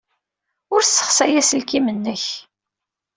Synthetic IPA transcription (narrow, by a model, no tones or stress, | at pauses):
ʊɾsːə̥χsæjæsəlkimənːəç